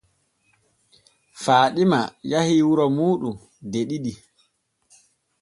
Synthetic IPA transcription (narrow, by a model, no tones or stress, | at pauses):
faːɗimajahiwuɾɔmuːɗum | deɗiɗi